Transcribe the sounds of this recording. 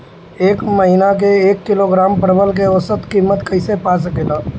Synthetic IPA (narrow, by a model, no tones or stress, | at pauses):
eːkməɦɪnak̬eeːkːɪloɡɾaːmpəɾəbəlk̬eosət̪kimːət̪kɐɪsepas̬əkela